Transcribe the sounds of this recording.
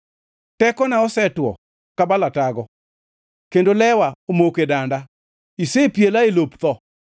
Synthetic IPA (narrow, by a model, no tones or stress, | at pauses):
tɛkɔnaɔsɛtwɔ̰ | kabalataɡɔ | kendolɛwaomokedanda | isepjelaelopt̪ɔ